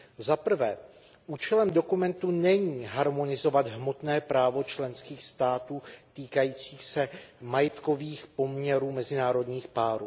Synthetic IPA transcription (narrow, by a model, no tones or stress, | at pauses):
zapr̩vɛː | ʔuːt͡ʃɛlɛmdo̞kumɛnt̪unɛɲiːɦaɾmo̞nɪzo̞vad̪ɦmo̞t̪nɛːpɾaːvo̞t͡ʃlɛnskiːxst̪aːt̪uːt̪iːkajiːt͡siːxsɛmajɛt̪ko̞viːxpo̞mɲɛɾuːmɛzɪnaːɾo̞dɲiːxpaːɾuː